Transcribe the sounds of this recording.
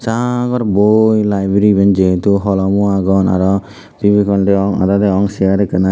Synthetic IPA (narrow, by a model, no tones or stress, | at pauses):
saɡɔɾbojlajbɾibɛnd͡ʒeɦet̪uɦɔlɔmuaɡɔna̰ɾɔ | pibikɔɳɖɛɔŋa̰d̪ad̪eɔŋsijaɾɛkəna